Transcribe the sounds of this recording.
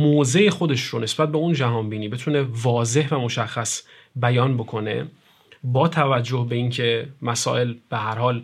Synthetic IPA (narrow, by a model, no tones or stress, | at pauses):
moːze̞exo̞d̪e̞ʃɾonesbæt̪̚beund͡ʒæɦɒːnbiːniːbe̞t̪ʰune̞vɒːze̞hvæmo̞ʃæxːæs | bæjɒːnbokʰo̞ne̞̰ | bɒːt̪ʰævæd͡ʒːo̞hbe̞iːncʰe̞mæsɒ̰ːʔe̞lb̥e̞hæɾhɒːl